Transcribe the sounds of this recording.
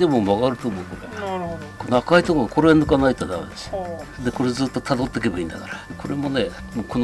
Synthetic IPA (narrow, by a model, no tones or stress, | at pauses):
d̪e̞momaɡaɾɯ̟t̪o̞mo̞ɯkoɾekonoakait̪okoɡako̞ɾeanɯkanait̪ːod̪a̰ed̪esi̥d̪eko̞ɾed͡zɨːt̪ːo̞t̪ʰad̪o̞t̪ːe̞ke̞baḭ̃ːnd̪akaɾakʰo̞ɾe̞mo̞ne̞ | moːko̞n